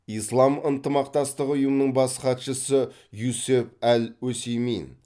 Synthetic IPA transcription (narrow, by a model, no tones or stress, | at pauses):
ijslˠɑmənt̪əmɑq̚t̪ɑst̪əqʊjəmənəɴbɑsχɑt̪ʃəsə | jusepælwɵsejmejn